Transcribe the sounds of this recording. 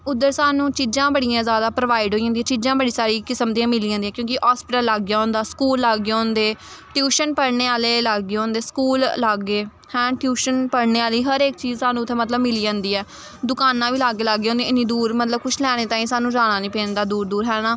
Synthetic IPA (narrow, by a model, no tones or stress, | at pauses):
ʊd̪ːəɾsaːnũːt͡ʃiːzãːbəɽijãːzjaːd̪aːpɾəʋaːɪɖɦoːiãnd̪ĩãːt͡ʃiːzãːbəɽiːsaːɾiːkɪsəmt̪ĩãːmɪliːãndiːɛ̃ːkjõːkɪʔaːspɪʈəlːaːɡjaːɦõːnd̪aːskuːlːaːɡeõːnd̪eːʈjuːʃənpəɽɳeːaːleːlaːɡɡeõːnd̪eːskuːlːaːɡːeː | hɛ̃ːʈjuːʃənpəɽneːaːliːɦəɾeːk̚t͡ʃiːzsaːnũːt̪ʰːẽːmət̪ləbmɪliːãːnd̪iːɛː | d̪ʊkaːnãːʋiːlaːɡeːlaːɡːeːõːnd̪eːɪnĩːd̪uːɾmət̪ləbkʊʃʰlɛːɽ̃eːt̪aːĩːsaːnũːd͡ʒaːñãːnĩːpeːnd̪aːd̪uːɾd̪uːɾɦɛːnaː